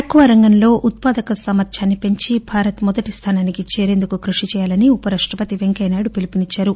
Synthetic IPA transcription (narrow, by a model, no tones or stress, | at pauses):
ɐkːuʋɐɾɐŋɡɐnlo̞ːʔut̪̚paːd̪ɐkɐsɐmɐt̪ʃʰaːnːipe̞ɲt͡ʃibʱaːɾɐt̪mɔd̪ɐʈist̪ʰaːnaːnikit͡ʃeːɾe̞ːnd̪ukukɾuʂit͡ʃɛːjaːlɐniupɐɾɐʂʈɾɐpɐt̪iʋeŋkɐjnaːɽupilipinit͡ʃːaːɾu